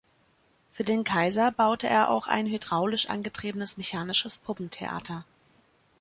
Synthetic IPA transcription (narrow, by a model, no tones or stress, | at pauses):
fyːɐdeːnkʰaɪzɐbaʊtəʔḛːɐʔa̰ʊxa̰ɪnɦydʁaʊlɪʃʔa̰nɡətʁ̥iːbənəsmɛçaːnɪʃəspʰʊpm̩tʰḛʔa̰ːtʰɐ